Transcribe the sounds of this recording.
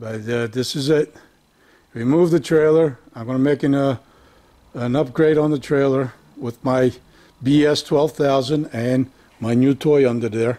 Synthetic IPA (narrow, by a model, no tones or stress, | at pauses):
b̥ʌtðɪsɨzɪt̚ | ɹimuvðɨtʰɹ̥eɪlˠə˞ãɪ̃mɡonɨmeɪkɨ̃ŋ | ə̃nʌp̚ɡ̥ɹeɪɾn̩ðətʰɹ̥eɪlˠə˞ | wɪðmaɪ | biɛstʰw̥ɛlˠv̥θaʊzɨ̃ndɨ̃n | maɪnjʉtʰɔɪʌ̃ndə˞ðə˞